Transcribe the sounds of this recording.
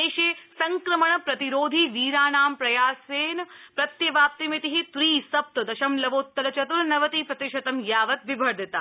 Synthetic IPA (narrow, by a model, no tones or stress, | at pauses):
eːʃeːsɐŋkɾɐmɐɳɐpɾɐt̪iɾoːd̪ʱiʋiːɾaːnaːmpɾɐjaːseːnpɾɐt̪jɐʋaːp̚t̪imet̪iɦit̪ɾiːsɐp̚t̪ɐd̪ɐʃɐmlɐʋoːt̪ːɐlɐt͡ʃɐt̪unnɐʋɐt̪iːpɾɐt̪ɪʃɐt̪ɐmjaːʋɐt̪ʋibʱɐɾd̪it̪a